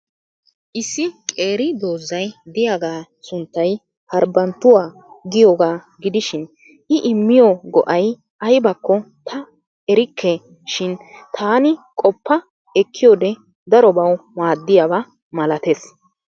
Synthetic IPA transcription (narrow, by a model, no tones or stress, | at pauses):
ʔɪsːɪkʼe̞ːɾɪd̪oːzːɐjd̪ɪjaɡaː | sʊnt̪ːɐj | hɐɾbɐnt̪ːʊwaː | ɡɪjoːɡaː | ɡɪd̪ɪʃɪn | ʔɪʔɪmːɪjɔɡɔʔɐj | ʔɐjbɐkːɔ | t̪ʰɐ | ɛɾɪkʰːɛ | ʃɪnt̪ʰaːnɪkʼɔpːɐ | ɛkʰːɪjoːd̪ɛ | d̪ɐɾɔbɐwmaːd̪ːɪjabɐ | mɐlɐt̪es